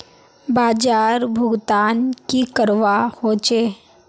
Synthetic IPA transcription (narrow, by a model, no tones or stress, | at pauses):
baːd͡ʒaːɾbʱʊɡt̪ankikəɾʋahot͡ʃe